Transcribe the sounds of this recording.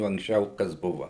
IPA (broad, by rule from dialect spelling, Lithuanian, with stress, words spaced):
oː ɐŋksʲˈt͡ʃʲɛʊ ˈkɐs ˈbʊʋɐ